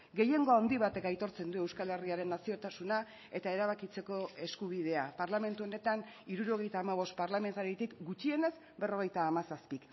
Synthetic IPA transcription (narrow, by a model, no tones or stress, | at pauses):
ɡe̞je̞ŋɡo̞and̪iβ̞at̪e̞kajt̪o̞ɾt͡se̞nd̪ue̞wskale̞riaɾe̞nːasio̞t̪asuna | e̞t̪ae̞ɾaβ̞akit͡se̞ko̞e̞skuβ̞ið̞e̞apaɾlame̞nt̪uo̞ne̞t̪aniɾuɾo̞ɣ̞e̞jt̪aːmaβo̞st̪̚paɾlame̞nt̪aɾit̪ikɡut͡ʃie̞ne̞z | be̞ro̞ɣ̞e̞jt̪aːmasaspik